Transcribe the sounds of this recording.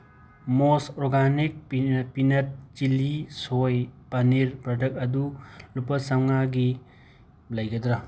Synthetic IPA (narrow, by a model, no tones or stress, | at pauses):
mosɔɾɡanik̚pinɐt̚t͡ʃilisojpɐniɾpɾadɐk̚ɐdulupɐsɐwŋaɡi | lɐjɡɐdɾa